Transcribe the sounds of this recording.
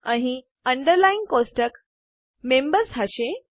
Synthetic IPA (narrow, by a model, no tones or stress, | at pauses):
ãɦi | əɳɖəɾlainkosʈək | membəɾsɦaɕe